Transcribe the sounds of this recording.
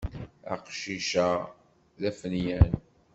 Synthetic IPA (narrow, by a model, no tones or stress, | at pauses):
æ̰qʃiʃæ | ðæfənjæn